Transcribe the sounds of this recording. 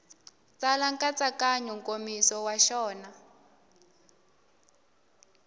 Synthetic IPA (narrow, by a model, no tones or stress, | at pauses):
t͡salaŋkat͡sakaɲuŋkomisɔwaʃɔːna